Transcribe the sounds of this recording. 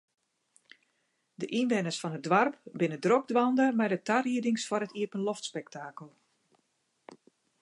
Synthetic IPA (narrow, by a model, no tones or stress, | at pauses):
dəʔinʋɛnəsfɔnədʋarp̚bɪnədroɡ̚dʋɔndəmɛjdətariədɪŋsfɔɾətiəpənlɔftspɛk̚taːkəlˠ